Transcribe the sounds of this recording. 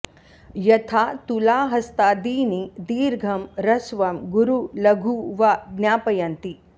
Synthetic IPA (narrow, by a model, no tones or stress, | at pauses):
jɐt̪ʰaːt̪ulaːɦɐst̪aːd̪iːnid̪iːɾɡʱɐmɾɐsʋɐmɡuɾulɐɡʱuʋɐɡnʲjaːpɐjɐnt̪i